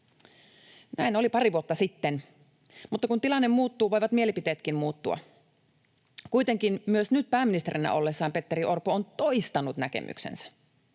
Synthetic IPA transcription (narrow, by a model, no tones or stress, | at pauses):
næino̞lipɑɾiʋuot̪ːɑsit̪ːen | mut̪ːɑkunt̪ilɑnːe̞mmuːt̪ːuːʋo̞jʋɑt̪mie̞lipit̪eːt̪kimmuːt̪ːuɑ̰ | kujt̪e̞ŋk̟inmyøsnyt̪̚pæːminist̪eɾinæ̰ʔo̞lːesːɑːmpe̞t̪ːeɾiʔo̞rpoont̪oist̪ɑnut̪nækḛmʔy̰ksḛnsæ̥